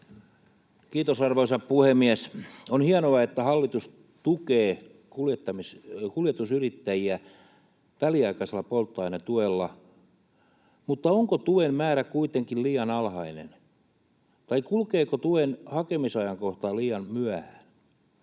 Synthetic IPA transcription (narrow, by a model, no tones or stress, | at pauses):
kiːt̪osɑrʋoisɑppuhemːiæsonhiɑnoɑet̪ːæhɑlːit̪us | t̪ukeː | kuljet̪ːɑmiskuljet̪usyrit̪ːæjiæ | ʋæliɑikɑselːɑpolt̪ːɑinɑt̪uelːɑ | mut̪ːɑoŋkot̪uemmæːɾækuit̪eŋkilliːɑnɑlhɑinḛn | t̪ɑikulkeːkot̪uenhɑkemisɑjɑŋkoht̪ɑːliːjɑnmyæhæːn